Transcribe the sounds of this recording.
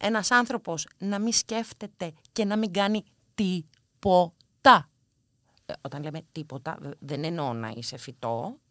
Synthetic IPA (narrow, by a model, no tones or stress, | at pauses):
e̞nɐsɐnθɾo̞po̞snɐmisce̞ft̪e̞t̪e̞ | ce̞nɐmiŋɡɐni | t̪i | po | t̪ɐ | o̞t̪ɐnle̞me̞t̪ipo̞t̪ɐ̰ðenenonɐ̰ḭse̞fit̪o̞